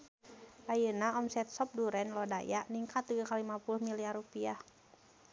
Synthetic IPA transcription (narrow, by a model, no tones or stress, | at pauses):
ʔajənaɔmsɛt̪̚sɔp̚duɾɛnlɔdajaniŋkat̪ːiɡakalimapulʊhmiliarupiah